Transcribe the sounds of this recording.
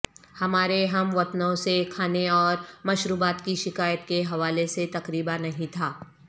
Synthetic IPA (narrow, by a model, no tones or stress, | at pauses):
hɐmaːɾeɦɐmʋɐt̪nõsekʰaːneɔːɾmɐʃɾuːbaːt̪kiʃɪkaːjət̪keɦɐʋaːleset̪ɐkɾiːbanɐɦĩt̪ʰaː